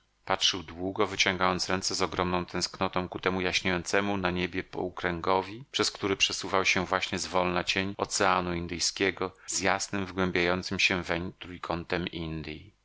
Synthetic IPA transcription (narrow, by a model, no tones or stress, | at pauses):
patʂɘwd̪wuɡɔvɘt͡ɕɔ̃ŋɡajɔnt̪sɾɛnt̪sɛzɔɡɾɔmnɔ̃w̃t̪ʰɛ̃w̃sknɔt̪ɔ̃w̃kut̪ɛmujaɕɲejɔnt̪sɛmunaɲebʲjɛpɔ̰ukɾɛŋɡɔvʲipʂɛskt̪uɾɘpʂɛsuvawɕɛvwaɕɲɛzvɔlnat͡ɕeɲɔt̪sɛanuind̪ɘjskʲɛɡɔz̥jasnɘmvɡwɛmbʲjajɔnt̪sɘmɕɛvɛɲt̪ɾujkʰɔnt̪ɛmind̪i